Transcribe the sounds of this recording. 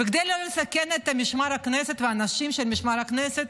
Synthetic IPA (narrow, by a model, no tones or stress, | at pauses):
bikd̪ejlolesakenet̪amiʃmaɾhakneset̪veaːnaʃimʃelmiʃmaɾhakneset̪